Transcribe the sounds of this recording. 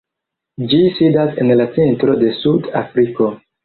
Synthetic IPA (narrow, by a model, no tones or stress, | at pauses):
d͡ʒisidasenlat͡sentɾo̞de̞suda̰fɾiko̞